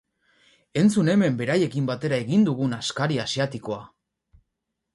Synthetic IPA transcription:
e̞nt͡sune̞me̞mbe̞ɾaje̞kimbat̪e̞ɾaeɣind̪uɣunaskaɾiasiat̪iko̞a

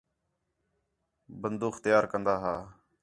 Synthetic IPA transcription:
bənd̪uːxt̪əjaːɾkənd̪aːɦaː

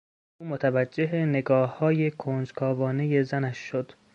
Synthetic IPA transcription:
ʔuːmot̪ʰævæd͡ʒːe̞ɦene̞ɡɒːhːɒːje̞kʰond͡ʒkʰɒːvɒːne̞je̞zænæʃːod̪̥

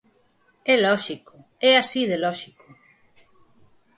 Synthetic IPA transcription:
ɛlɔʃikoɛasiðelɔʃiko

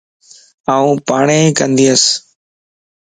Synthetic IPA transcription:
aːũːpaːɳeːkənd̪iːəs

